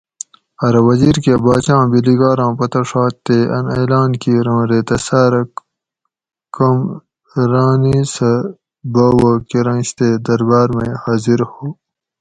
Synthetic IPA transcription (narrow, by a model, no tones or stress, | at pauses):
ɐɾwɐziːɾkebaːt͡ɕãːbiliɡaːɾãːpɐt̪ɐʂaːt̪ːeʔɐneːlaːnkiːɾãːɾeːt̪ɐsaːɾɐ | kɐm | ɾaːnisɐ | bɐːwokiɾɐ̃nɕt̪eːd̪ɐɾbaːɾmejhaːziɾhoː